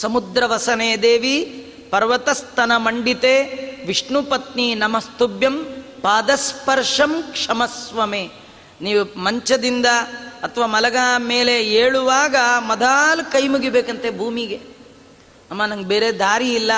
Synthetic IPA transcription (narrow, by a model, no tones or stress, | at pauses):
sɐmud̪ɾɐʋɐsɐneːd̪eːʋi | pɐɾʋɐt̪ɐst̪ɐnɐmɐɳɖit̪eːʋiʂɳupɐt̪ninɐmɐst̪ubjɐmpaːd̪ɐspɐɾʂɐmkʂɐmɐsʋɐmeː | niːʋumɐɲt͡ʃɐd̪ind̪ɐːt̪ʰɐʋaːmɐlɐɡaːmeːleeːɭuʋaːɡɐmɐd̪ʱaːlkɐjmuɡibeːkɐnt̪ebʱuːmiɡe | ɐmːanɐŋɡebeːɾed̪aːɾiilːɐ